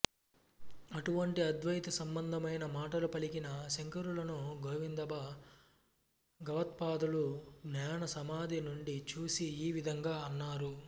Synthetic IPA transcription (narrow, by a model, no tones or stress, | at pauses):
ɐʈuʋɐɳʈiɐd̪ʋɐjt̪ɐsɐmbɐnd̪ʱɐmɐjnɐmaːʈɐlupɐlikinɐʃeŋkɐɾulɐnuɡʱoːʋind̪ɐbɐ | ɡɐʋɐt̪̚paːd̪uluɡnaːɳɐsɐmaːd̪ʱinuɳɖit͡ʃuːsiːʋid̪ʱɐŋɡaːɐnːaːɾu